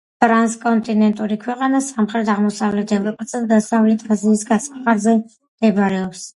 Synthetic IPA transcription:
tʰʼɾanskʼɔnt̪ʼinɛnt̪ʼuɾikʰwɛqʼanasamχɾɛd̪aʁmɔsavlɛd̪ʰɛbɔpʼasad̪d̪asavlit̪ʼaziːsɡasḁχaɾzɛ | md̪̥ɛbɾɛɔps

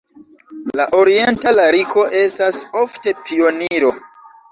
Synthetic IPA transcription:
laʔo̞ɾie̞ntalaɾikʰo̞ʔe̞staso̞fte̞pio̞niɾo̞

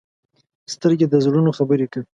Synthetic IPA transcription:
st̪əɾɡed̪əzɽunoxabəɾekəi

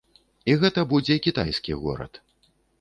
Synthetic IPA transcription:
iɣɛt̪ɐbud͡zʲɛkʲit̪ajsʲkʲḭɣɔ̰ɾɐ̰t̪

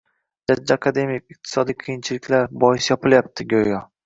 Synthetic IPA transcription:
d͡ʒad͡ʒːaakʰad̪e̞mɪkɪq̚t̪ʰɪ̥sɒd̪ijqʰɨjɪnt͡ʃʰɪlɪkʲlaɾbɒɪsjɒpɪljap̚t̪ʰɪɡʲojjɒ

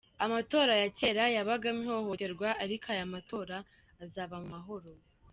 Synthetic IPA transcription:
amato̞ːɾajace̞ɾajaβaɡamiho̞hote̞ɾɡwaʔaɾikajamato̞ːɾaː | zaβamumaɦo̞ɾo

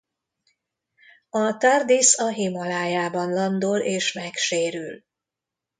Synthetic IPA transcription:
ɒt̪ard̪isɒɦimɒlaːjaːbɒnlɒnd̪oleːʃmɛkʃeːɾyl

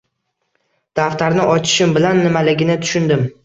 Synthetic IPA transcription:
d̪̥aft̪ʰaɾnɪʔɒt͡ʃʰɪ̥ʃɪmbɪlanːɪmalɪɡʲɪnɪt̪ʰʊ̥ʃʊnd̪ɪm

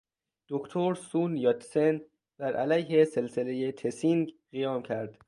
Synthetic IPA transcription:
d̪̥okt̪ʰoɾsuːnjɒːt̪ʰsen | b̪æɾʔælæjɦeselselejet̪ʰesiŋɡɢijɒːmcʰæɾd̪̥

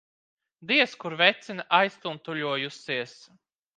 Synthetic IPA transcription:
d̪iɛskuɾvɛt̪sʲinʲʔajst̪unt̪uʎuɔjusiɛs

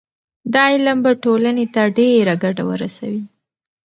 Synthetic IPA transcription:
d̪ɑjlambaʈolanet̪aɖeɾaɡaɖawə̰ɾasawi

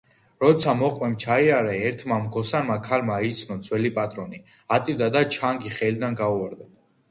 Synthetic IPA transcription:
ɾɔt̪sʰamɔqʼwɛmt͡ʃʰaiaɾɛɛɾt̪ʰmamɡɔsanmakʰalmait̪sʰnɔd̪zwɛlipʼat̪ʼɾɔni | at̪ʼid̪ad̪at͡ʃʰaŋɡiχɛlid̪anɡauaɾd̪a

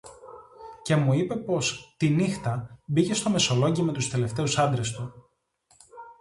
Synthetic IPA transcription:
ce̞muipe̞po̞st̪inixt̪ɐbice̞st̪o̞me̞so̞lo̞ɲɟime̞t̪ust̪e̞le̞ft̪e̞usɐnd̪ɾe̞st̪u

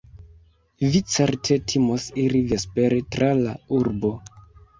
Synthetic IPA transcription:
vit͡seɾtʰe̞tʰimosiɾivespe̞ɾetɾalauɾbo̞

